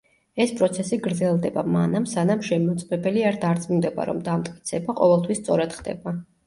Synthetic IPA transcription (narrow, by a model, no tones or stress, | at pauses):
ɛspʼɾɔt̪sʰɛsiɡɾd̪zɛlˠd̪ɛbama̰namsanamʃɛmɔt̪sʼmɛbɛliaɾd̪aɾt̪sʼmund̪ɛba̰ɾɔ̰md̪amt̪ʼkʼi̥t̪sʰɛbaqʼɔvɛlˠt̪ʰwisːt̪sʼɔɾad̪̥χd̪ɛ̰ba